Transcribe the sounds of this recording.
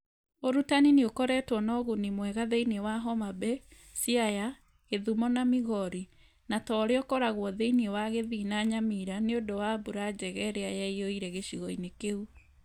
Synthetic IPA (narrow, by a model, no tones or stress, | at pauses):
oɾutanineokɔɾɛtwɔnɔɣunimwɛɣaðeinewaɦɔmabɛ | siaja | ɣeðumɔnamiɣɔɾi | natɔɾeɔkɔɾaɣwɔðeiniewaɣeðinaɲamiɾaneondowabuɾad͡ʑɛɣɛɾeajɛioiɾɛɣeʃiɣɔinekeu